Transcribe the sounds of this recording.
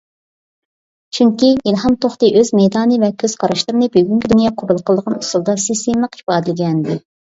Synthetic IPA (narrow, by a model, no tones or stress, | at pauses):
t͡ʃʰyŋkʲiilˠɦɑmt̪ʰoχt̪ɨʔøzmɛjd̪ɑːnɨvɛkʲʰøz̥qʰɑɾɑʃlˠɨɾɨnɨbyɡʲyŋkʲid̪ynjɑːqʰobɨlˠqʰlˠd̪əʁɑnusulˠd̪ɑsist̪emlˠəqi̥pɑːd̪ɪlɡʲɛnd̪ɪ